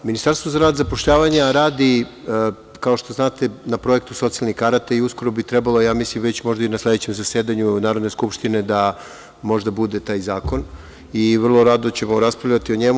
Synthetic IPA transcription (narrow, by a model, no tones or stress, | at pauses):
minist̪aɾst̪vo̞zaɾaːd̪zapo̞ʃʎaːʋaɲaɾaːd̪i | kao̞ʃt̪o̞znaːt̪e̞napɾo̞e̞k̚t̪uso̞t̪sialnikaɾat̪aiusko̞ɾo̞bit̪ɾebalˠojaːmislimʋet͡ɕmo̞ʒd̪ainaslʲe̞d̪et͡ɕe̞mzaseːd̪aɲunaːɾod̪neskupʃt̪ine̞d̪a | mo̞ʒd̪abud̪e̞t̪aːjzaːko̞n | iʋr̩lˠo̞ɾaːd̪ot͡ɕe̞mo̞ɾaspɾavʎʲat̪io̞ɲe̞mu